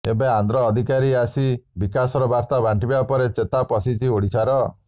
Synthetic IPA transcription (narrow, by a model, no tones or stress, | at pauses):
ebeand̪ɾɔːd̪ʱikaɾiasibikasɔɾɔbaɾt̪abʱaɳʈibapɔɾet͡ʃet̪apɔsit͡ʃioɽisaɾɔ